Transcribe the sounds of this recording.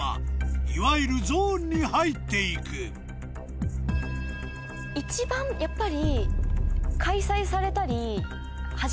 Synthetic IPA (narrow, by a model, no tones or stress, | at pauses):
a̰iβaiɾɯ̟zoːɲ̟ːihait̪ːe̞ikɯ | it͡ɕibãŋjapːaɾʲi | kʰaisaisaɾe̞t̪aɾʲi | ha